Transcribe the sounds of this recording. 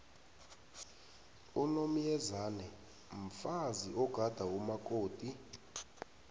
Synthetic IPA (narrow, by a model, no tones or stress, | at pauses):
unom̩jɛzaːnɛ | m̩faziʔɔɡ̥ʱad̥ʱaumakʼoːd̥ʱʼi